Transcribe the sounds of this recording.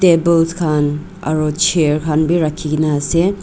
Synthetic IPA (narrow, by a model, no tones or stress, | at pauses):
tebelskʰan | ɐ̰ɾot͡ʃʰeɾkʰanbiɾakʰːiɡinase